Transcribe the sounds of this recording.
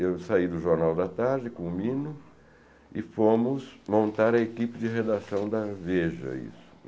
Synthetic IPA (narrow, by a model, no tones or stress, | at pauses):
ewsaid̪ʊʒoɾnawd̪ɐt̪aɾd͡ʒɪkõʊmĩnʊ | ɪfõmʊsmõnt̪aɾɐekipɪd͡ʒɪɦed̪asɐ̃w̃d̪ɐveʒɐ̰ḭsʊ̥